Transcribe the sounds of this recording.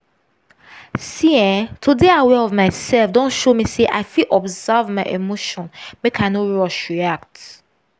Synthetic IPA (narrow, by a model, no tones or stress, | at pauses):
siɛtʰudeawɛɔvmaɪsɛlfdɔ̃nʃomiseʔa̰ɪfilʔɔbzavmaɪʔemoʃɔ̃nmekʰaɪnoɹɔʃɹiak̚t